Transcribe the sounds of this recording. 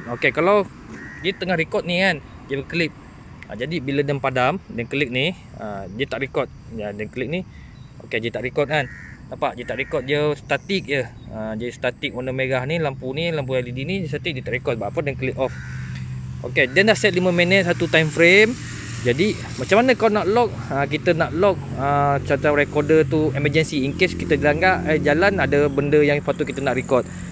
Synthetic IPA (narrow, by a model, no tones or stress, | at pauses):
okekalaw | diət̪əŋahɾikɔt̪̚nikan | diəbəkəlɪp̚ | a̰d͡ʒadibilədənpadamdənkəlik̚ni | ədiət̪aʔɾikɔt̪̚adənkəlik̚ni | o̰kediət̪aʔɾikɔt̪̚kannapaʔdiət̪aʔɾikɔt̪̚jəst̪at̪ik̚jə | əd͡ʒəist̪at̪ɪk̚onəmeɡahnilampunilamp̬ualidinidiəst̪at̪ik̚diət̪aʔɾikɔt̪̚baapədənkəlip̚ɔf | o̰kedɛndasɛt̪̚limə̃minə̃t̪̚sat̪ut̪ajmfɾem | d͡ʒadi | mat͡ʃamanə̃kanaʔlɔk̚ək̬it̪ənaʔlɔk̚əsat̪aɾɛkɔdət̪uɛməd͡ʒənsiiŋkeskit̪ədilaŋɡaʔajd͡ʒalanadəbəndəjaŋfat̪okit̪ənaʔɾikɔt̪̚